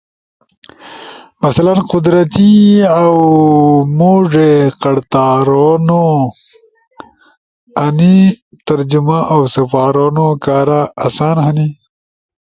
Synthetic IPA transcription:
mɐsɐlɐnqʊd̪ɾɐt̪iaw | muːʐeqɐɽt̪aːɾono | ɐni | t̪ɐɾd͡ʑumaʔawsɐfaːɾoːnokaːɾaːsaːnɦɐni

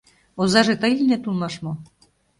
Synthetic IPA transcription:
ozɑʒet̪əjilʲnet̪ulmɑʃmo

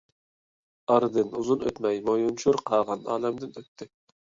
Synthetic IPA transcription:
ɑɾɨd̪ɨnuzunø̰t̪mɛjmojunt͡ʃʰuɾqʰɑːʁɑnɑ̰ːlɛmd̪ɪnøt̪ʰːɪ

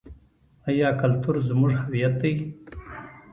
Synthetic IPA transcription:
ajɑːkalt̪uɾzmʊʐhawijat̪̚d̪aj

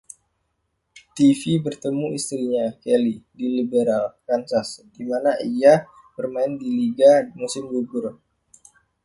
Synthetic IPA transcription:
t̪ifibərt̪əmuist̪ɾiɲakelidilibeɾalkansasdimanaʔia | b̥ərmaɪndiliɡamusɪmɡuɡʊr

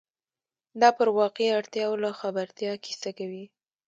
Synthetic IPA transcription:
d̪ɑpəɾwɑqeaɽt̪jɑwlaxabaɾt̪jɑkʰi̥sakawi

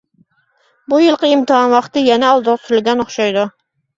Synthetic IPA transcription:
bujɨlˠqʰəimt̪ɨɦɑnwɑχt̪ɨjɛnɛɑlˠd̪əʁt̪ʰyɾɪlɡʲɛnoχʃɑjd̪u

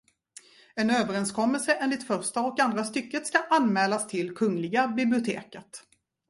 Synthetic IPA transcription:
ɛnøːvəɾɛnskʰɔmːəlsəʔeːnlɪt̪fœɾʂʈaɔkand̪ɾast̪ʏkːət̪skaʔanmɛːlast̪ʰɪlkʰɵŋlɪɡabɪblɪʊt̪ʰḛːkət̪

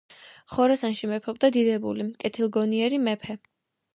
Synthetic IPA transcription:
χɔɾasanʃimɛpʰɔb̚d̪ad̪id̪ɛbulikʼɛt̪ʰilˠɡɔniɛɾimɛpʰɛ

